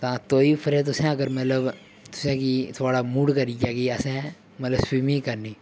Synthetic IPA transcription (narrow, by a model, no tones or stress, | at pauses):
t̪ãt̪oːipʰəɾɛ̃t̪̬ʊsẽɐɡəɾmɐt̪ləb | t̪ʊ̥sẽkit̪ʰoːɽamuːɽkaɾiːkaːkiɐsẽ | mɐt̪ləbswimĩkɐɾniː